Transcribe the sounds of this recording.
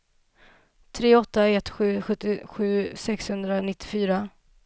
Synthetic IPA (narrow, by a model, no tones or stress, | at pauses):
t̪ʰɾeːɔt̪ːaɛt̪ɧʉ̟ːɧɵt̪ːɪɧʉ̟ːsɛkshɵnd̪ɾanɪt̪ːɪ̥fyːɾa